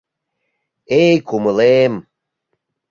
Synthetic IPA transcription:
ejkʰuməlem

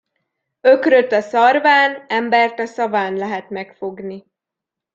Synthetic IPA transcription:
økrø̞t̪ːɒsɒrvaːnɛmbɛrt̪ɒsɒvaːnlɛɦɛt̪mɛkfo̞ɡni

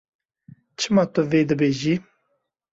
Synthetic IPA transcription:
t͡ʃʰɨmɑːt̪ʊveːd̪ɨbeːʒiː

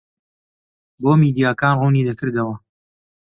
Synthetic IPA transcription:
boːmiːd̪ijaːkaːnruniːd̪ɐkɨɾd̪ɐwɐ

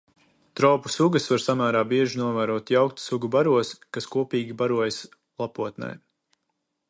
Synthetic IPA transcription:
t̪ɾɔwpu̥suɡəsvaɾsamæːɾaːbiɛʒinuɔvæːɾuɔt̪jawkt̪suɡubaɾuɔskaskuɔpiːɡʲibaɾuɔjs | lˠapuɔt̪nɛ̰j

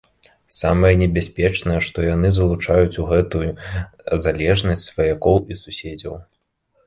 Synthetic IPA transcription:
samɐjɛnʲɛbʲasʲpʲɛt͡ʂnɐjɛʂt̪ɔjanɨzɐlˠut͡ʂajut͡sʲuɣɛt̪ujuzalʲɛʐnɐsʲt͡sʲsvɐjakɔwisusʲed͡zʲɐw

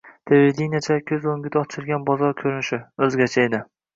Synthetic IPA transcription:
t̪ʰebed̪enijat͡ʃʰakʲʰɵzoŋɡʲɪd̪ɒt͡ʃʰɪɾɡʲanbɒzɒɾkʲʰɵɾɪnɪʃɪɵzɡʲat͡ʃʰaed̪ɪ

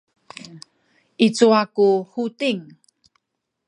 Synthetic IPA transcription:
ʔit͡suakuhutiŋ

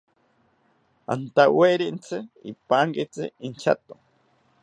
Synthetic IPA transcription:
a̰nt̪aweɾint͡sʰɨḭpaŋɡit͡sɨ̰int͡ʃʰa̰t̪o

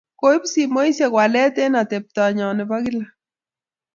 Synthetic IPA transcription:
koipsimojsakwalet̪enat̪ep̚t̪aɲanepaɡila

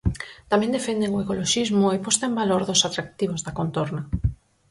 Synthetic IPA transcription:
t̪amɛ̃nd̪efend̪eŋoekoloʃizmʊepɔst̪aembaloɾðʊsat̪ɾak̚t̪iβ̞ozðakont̪oɾna

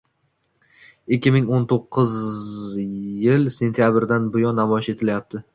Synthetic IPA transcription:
ɪkʲʰːɪmɪŋont̪ʰoqʰːɨz | jɪlse̞nt̪ʰijabɾd̪anbʊjɒnːamɒjɪʃe̞t̪ʰɪlajap̚t̪ʰɪ

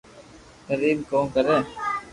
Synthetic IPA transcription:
kəɾiːbkõːkəɾẽː

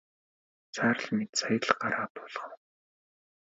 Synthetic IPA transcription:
t͡sʰaːr̆ɮmet̪sajə̆ɮɢaɾaːt̪ʊːɮχə̆w

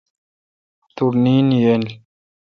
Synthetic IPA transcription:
t̪uɾniːnjɛnɮ

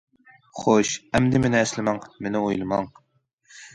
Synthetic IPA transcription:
χoʃɛmd̪ɪmɪnɪɛslɪmɛŋmɪnɪojlˠɨmɑŋ

